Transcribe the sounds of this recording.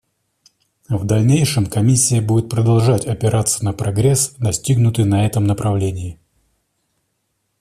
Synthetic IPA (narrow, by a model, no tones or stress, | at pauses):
vd̪ɐlʲnʲejʂɨmkɐmʲisʲːɪjəbudʲɪt̪̚pɾəd̪ɐlˠʐatʲɐpʲɪɾʔat̪sə̥nəpɾɐɡɾʲɛsd̪ɐsʲtʲiɡnʊt̪ɨjnɐɛt̪əmnəpɾʔɐvlʲenʲɪː